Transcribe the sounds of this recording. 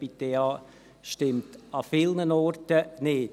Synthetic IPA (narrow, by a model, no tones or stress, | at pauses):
pitːeɑː | ʃtɪmtɑfɪlnənɔrtənɪd